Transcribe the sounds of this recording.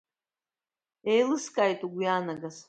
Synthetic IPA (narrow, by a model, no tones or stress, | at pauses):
ejlɨskʼajtʼuɡʷujaːnaɡas